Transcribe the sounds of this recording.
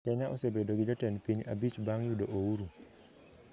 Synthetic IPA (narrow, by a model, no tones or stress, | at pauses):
kɛɲaʔosebedoɡɪd͡ʒɔtɛnpiɲa̰bit͡ʃbaŋjudoʔowuɾu